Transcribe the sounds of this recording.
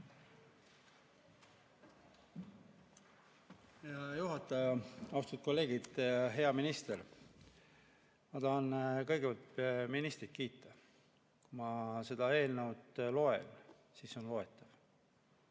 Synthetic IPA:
heɑjuɦɑt̪ːˑɑjɑɑwst̪ut̪̚ko̞lːe̞ːɡid̪̥ɦe̞ɑminist̪eɾ | mɑt̪ɑhɑnkɤ̞jɡevɑlt̪minist̪ɾit̪̚kiːt̪ˑːɑ | kumɑse̞d̪̥ɑe̞ːlnəwt̪lo̞e̞̰n | siːso̞nlo̞e̞t̪ːˑɑv̥

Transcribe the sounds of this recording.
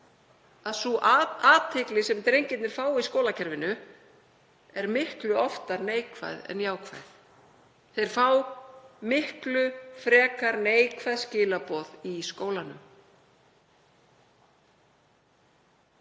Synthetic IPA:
aðsuaːt̪ʰɪklɪsɛmt̪ɾejɲcɪt̪nɛɾ̥faːwiskoːwlacʰɛɾvɪnʏ | ɛɾmɪhklʏɔft̪aɾneːjkʰva̰jðɛ̰njaːwkʰva̰jθ | θejɾ̥faːwmɪhklʏfɾɛːkaɾneːjkʰvajðscɪːlapɔːðiskoːwlanʏm

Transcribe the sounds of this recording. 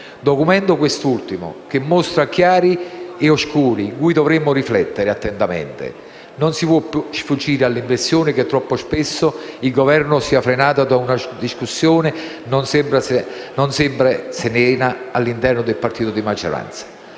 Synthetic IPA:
d̪ɔkumɛnt̪ʊkwest̪ult̪imʊ̰k̟emːɔst̪ɾakjaːɾieoskuːɾiːŋkuːjd̪ɔvɾemːʊriflɛt̪ːeɾɪat̪ːɛnt̪amɛ̰nt̪ɪ̰ | nonsipwɔpsfud͡ʒːiːɾɪalːiɱvest̪ːjoːnɪk̟et̪ːɾɔpːospesːʊilɡovɛrnʊsiafɾenaːt̪ad̪aunad̪iskusːjoːnɪ | nonsɛmpɾas | nɔnsɛmpɾasɪnɛːnaalːint̪ɛrnʊd̪elpart̪iːt̪ʊd̪imad͡ʒo̰ɾa̰nt̪sḁ

